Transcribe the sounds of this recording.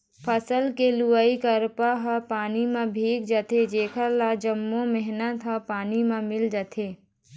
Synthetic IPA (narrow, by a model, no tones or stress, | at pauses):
pʰəsəlkeluaikəɾpaɦəpaːnimẽbʱiːkd͡ʒət̪ʰed͡ʒeːkʰəɾlad͡ʒəmːõmɛɦnət̪ɦəpaːnimãmɪld͡ʒət̪ʰeː